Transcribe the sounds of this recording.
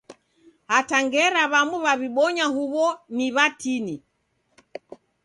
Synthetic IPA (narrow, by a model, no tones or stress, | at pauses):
hataŋɡɛɾaβamuβaβiɓɔɲaɦuβɔniβatini